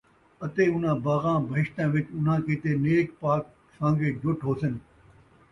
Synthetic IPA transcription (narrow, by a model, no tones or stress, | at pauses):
ɐt̪eːʊn̤ãːbaːɣãːbʱəɪʃt̪ãːʋɪt͡ʃʊn̤ãːkɪt̪eːneːkpaːk̚ | sãːŋɡeːd͡ʒʱʊʈɦoːsɪn